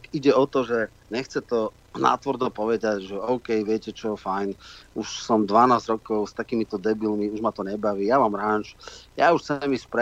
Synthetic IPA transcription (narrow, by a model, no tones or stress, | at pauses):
kiɟɛɔt̪ɔʒɛ | ɲɛxt͡sɛt̪ɔ | na̰ːt̪ʋrd̪ɔpɔʋɛd̪acʒɛɔʊkɛjʋɪɛcɛt͡ʃɔɛfajnuʃsɔmd̪ʋanaːzɟɾɔkɔʊst̪akiːmit̪ɔd̪ɛbilmiuʒmat̪ɔɲɛbaʋiːjamaːmɾaːnt͡ʃjauʃt͡sɛmispɾɛ